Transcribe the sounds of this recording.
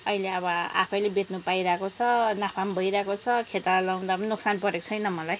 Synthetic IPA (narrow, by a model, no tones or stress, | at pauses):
ʌileʌbʌa̰pʰʌjlebet̪nupaiɾakot͡sʰʌnapʰambʱʌjɾakot͡sʰʌkʰet̪alaw̃nd̪apʌnnuksanpʌɾekt͡sʰʌjnʌmʌlaj